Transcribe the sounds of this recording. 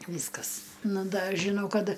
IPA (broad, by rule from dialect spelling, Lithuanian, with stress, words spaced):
ˈʋʲiːskɐs ˈnʊ ˈdɐ ʒʲɪˈnɐʊ ˈkɐt